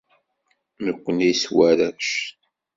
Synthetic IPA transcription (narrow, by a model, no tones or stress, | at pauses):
nəkʷːəniswæɾæʃ